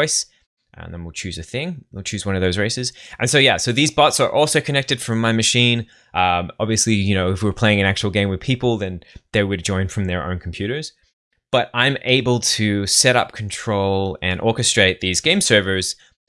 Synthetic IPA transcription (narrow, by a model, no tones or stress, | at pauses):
ɪs | ʔðə̃nwɪlˠt͡ʃʰʉzɨθɪ̃ŋɪlˠt͡ʃʰʉzwʌ̃nʌvðoʊzɹeɪsɨzʔɨ̃nsoʊjæsoʊðizbɑtsə˞ʔɔlˠsoʊkʰɨnɛk̚tɨd̥fɹʌ̃mːaɪmɨʃĩn | ʔʌ̃mɑbviɨslijɨnoʊɨfwɨɹpʰl̥eɪɪ̃ŋɨ̃næk̚t͡ʃul̩ˠɡẽɪ̃mwɨð̥pʰipl̩ˠðɨ̃nðeɪwɨd̚d͡ʒɔ̃ɪ̃nfɹʌ̃mðə˞ʔõ̰ʊ̃nkʰm̩pʰj̥ʉɾə˞z̥ | b̥ʌɾãɪ̃mʔeɪbəl̩ˠtʰɨsɛɾʌ̰p̚kʰn̩tʰɹ̥oʊlˠɨ̃nʔɔɹkɨstɹ̥eɪt̪̚ðizɡẽɪ̃msɜ˞və˞z̥